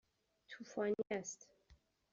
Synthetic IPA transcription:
t̪ʰufɔnɛst̪

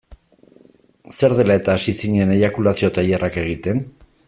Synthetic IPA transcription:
se̞ɾðe̞lae̞t̪aːsisiɲe̞neβakulasio̞t̪ajerake̞ɣ̞it̪e̞n

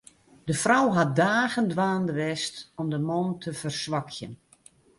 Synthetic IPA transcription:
d̥əfrɔwɦat̚daːɣəndʋaːndəʋɛstɔmdəmɔntʰəfərsʋakʰjə̰n

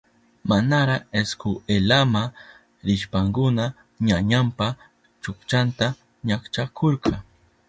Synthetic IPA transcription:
manaɾaeskʊelama | ɾɪʃpaŋkʊna | ɲaɲampa | t͡ʃʊkt͡ʃant̪a | ɲakt͡ʃakʰoɾqɑ

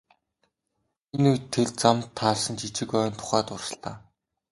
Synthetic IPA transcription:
enujt̪ʰːeɮt͡samt̪ʰːaːɮsə̆nt͡ɕʰit͡ɕɪ̆kœːnt̪ʰʊ̥χæːt̪ʊrsə̆ɬt̪aː

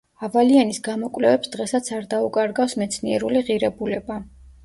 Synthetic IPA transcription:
avalianisɡamɔkʼvlɛvɛpsd̪̥ʁɛsat̪sʰaɾd̪aukʼaɾɡafsmɛt̪sʰniɛɾuliʁiɾɛbulɛba

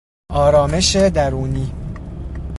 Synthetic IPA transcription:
ʔɒːɾɒːme̞ʃed̪æɾuːniː

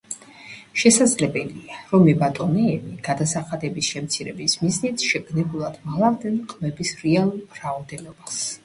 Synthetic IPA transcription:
ʃɛsad̪zlɛbɛliaɾɔmɛbat̪ʼɔnɛːbiɡ̥ad̪asaχad̪ɛbisʃɛmt̪sʰiɾɛbismiznit̪sʃɛɡnɛbulˠad̪̥maʁlˠavd̪ɛnqʼmɛbisɾɛalˠulbɾaɔd̪ɛnɔbas

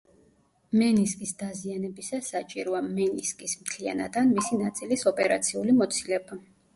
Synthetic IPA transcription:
mɛniskʼisd̪azianɛbisasat͡ʃʼiɾɔamɛniskʼismt̪ʰlia̰na̰d̪anmisinat̪sʼilisɔpʼɛɾat̪sʰiulimɔt̪sʰilɛba

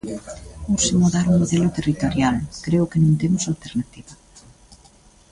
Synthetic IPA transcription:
osɪmoðaɾuŋmoðelʊt̪erit̪oɾjalkɾeʊkenõŋt̪emʊsalt̪eɾnat̪iβɐ

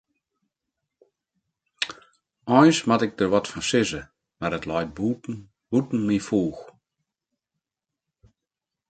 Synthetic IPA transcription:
ɔjnsmatɪk̚dərʋɔtfɔnsɪzə | marətlɔjt̚bu | b̥utn̩mifuːx

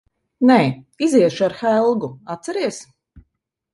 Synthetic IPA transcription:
nɛːiziɛʃaɾxælˠɡuat̪sɛɾiɛs

